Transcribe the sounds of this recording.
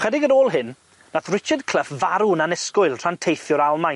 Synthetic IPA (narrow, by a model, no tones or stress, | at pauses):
χɛdɪɡənoːlˠɦɨnː | aθrɪt͡ʃədkʰl̥ˠəfvaɾunanɛskʊɨlˠr̥antʰejθjʊɾalˠmaj